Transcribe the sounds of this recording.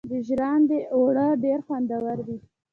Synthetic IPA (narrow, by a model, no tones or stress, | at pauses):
d̪əʒɾɑnd̪əʔoɽəɖeɾxwand̪awaɾd̪i